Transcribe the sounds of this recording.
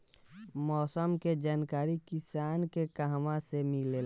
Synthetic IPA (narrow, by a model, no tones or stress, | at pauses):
mɔːsəmked͡ʒaːnkaːɾikɪsaːnkekəɦmãsemɪlel